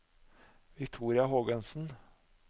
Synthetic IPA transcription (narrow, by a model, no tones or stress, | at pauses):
ʋɪkt̪ʰuːɾɪɑɦoːɡœnsn̩